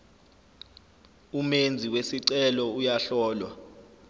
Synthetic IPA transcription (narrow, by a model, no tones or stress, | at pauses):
umend͡zʱiwesiǀɛlɔujaɬɔːlwa